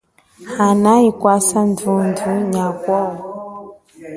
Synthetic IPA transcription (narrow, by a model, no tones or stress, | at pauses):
hanaikwasandunduɲakwɔ